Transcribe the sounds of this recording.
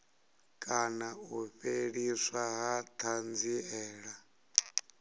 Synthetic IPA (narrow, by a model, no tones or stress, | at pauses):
kʼanauɸeɺiswaɦat̪ʰand͡ziɛːɺa